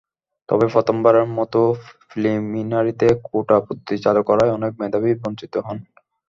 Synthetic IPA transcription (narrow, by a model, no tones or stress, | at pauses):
t̪ɔ̰befɔt̪ombaɾeɾmɔt̪ofliminaɾit̪ekoʈaput̪ːit͡ɕalukɔɾaeɔnek̚med̪ʱaβibɔnt͡ɕit̪oɦɔn